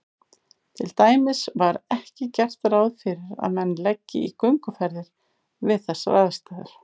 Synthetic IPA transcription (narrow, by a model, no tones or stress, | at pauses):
t̪ʰɪlt̪aːjmɪsvaɾɛhcɪcɛr̥t̪aɾaːwðfɪɾɪɾa̰ðmɛnːlɛcːɪ̰ikʏŋkʏfɛɾðɪɾ̥ | vɪðθɛsːva̰ːðɪst̪aːðʏɾ̥